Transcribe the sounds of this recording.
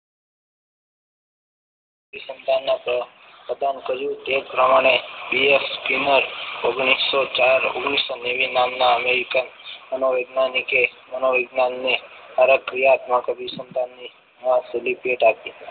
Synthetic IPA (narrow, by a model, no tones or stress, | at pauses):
əbisənd̪ʱanːã | pɾəd̪ankəɾjũt̪epɾəmaɽ̃ebiefskinəɾoɡɳ̃isːot͡ʃaɾo̰ɡɳ̃isːoneʋinamnaəmeɾikənmənoʋəɡnanikemənoʋəɡnanːeaɾəkɾijat̪mãkəbisənd̪ʱanːi | mãselipeʈapi